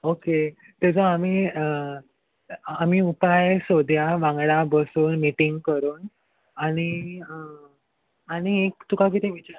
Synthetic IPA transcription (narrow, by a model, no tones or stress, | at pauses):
oke | t̪ed͡zɔami | amiupajsod̪ʱjaʋãŋɡɽabəsuːnːiʈiŋɡkəɾuːn | aɽ̃i | aɽ̃iekt̪ukak̬it̪ĩʋit͡ɕa